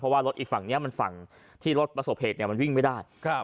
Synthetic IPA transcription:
ɔ˦waː˥˩ɾo˦˥t̪ʔiː˨˩kfa˨˩ŋni˦˥ɐma˧nfa̰˨˩ŋ | t̪ʰiː˥˩ɾo˦˥t̪̚pɾa˧so˨˩p̚heː˨˩t̪̚ni˥˩ma˧nwi˥˩ŋma˥˩jdaː˥˩jʰ

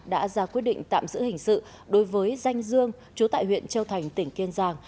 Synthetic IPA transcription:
ɗa̰ː˧˥zaː˧kwi˦˥ət̚ɗḭ˧˨ŋ̟t̪a̰ː˧˨mzɨ̰˧˥hï˨˩ŋ̟sɨ̰˧˨ | ɗo˨˦jvəː˨˦jza˧jŋ̟zɨ˧əŋ | t͡ɕu˨˦t̪a̰ː˧˨jhwḭ˧˨ənt͡ɕə˧wt̪ʰa˨˩jŋ̟t̪ï˧˩ŋ̟ki˧ənzaː˧ŋ

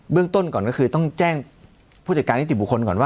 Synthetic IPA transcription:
bɯ˥˩əŋt̪o˥˩nkɔː˨˩nkɔː˥˩xʰɯː˧t̪ɔ˥˩ŋt͡ɕɛː˥˩ŋ | pʰu˥˩t͡ɕa˨˩ka˧nʰi˥˩i˨˩bu˨˩kʰo˧nkɔː˨˩nwaː˥˩

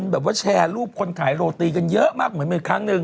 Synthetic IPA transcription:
nbɛː˨˩p̚waː˥˩t͡ɕʰɛː˧luː˥˩p̚kʰo˧nkʰaː˩˦jɾoː˧t̪iː˧ka˧njə˦˥ʔmaː˥˩k̚mɯ˨˩˦ənmiː˧kʰaː˦˥ŋnɯ˧ŋ

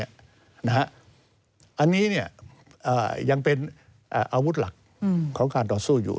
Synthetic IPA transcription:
na˦˥ha˦˥ʔ | ʔa˧nːiː˦˥ni˥˩ɐ | ʔaː˨˩ja˧ŋpe˧n | ʔːʔaː˧wu˦˥t̪̚la˨˩k̚ | kʰːɔː˩˦ŋkaː˧nt̪ɔː˨˩suː˥˩jṵː˨˩

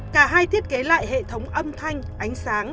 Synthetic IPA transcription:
kaː˧˩ɦaː˧jt̪ʰi˦˥ət̚ke˨˦la̰ː˧˨jhḛ˧˨t̪ʰə˨˦wŋ͡mʔə˧mt̪ʰa˧jŋ̟ʔa˨˦jŋ̟saː˨˦ŋ

